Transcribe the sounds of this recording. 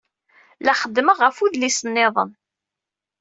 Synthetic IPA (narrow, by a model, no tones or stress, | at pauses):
læχəd̪ːməʁːəfuðlisənːɪðˤə̰n